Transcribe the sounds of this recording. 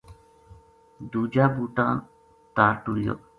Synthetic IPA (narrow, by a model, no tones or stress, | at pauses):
d̪ud͡ʒaːbuʈaːn | t̪aːɾʈuljo̰